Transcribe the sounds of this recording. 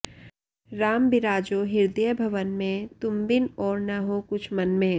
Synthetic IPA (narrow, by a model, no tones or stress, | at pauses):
ɾaːmbɪɾaːd͡ʒoɦɪɾd̪ijəbʱɐʋənmẽt̪ʊmbɪnɔːɾnɐɦokʊt͡ʃʰmɐnmẽ